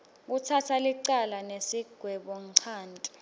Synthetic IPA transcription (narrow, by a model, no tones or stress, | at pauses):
k̬utʰatʰaliǀalanesiɡ̥ʱwɛɓɔǀʰaːntʼi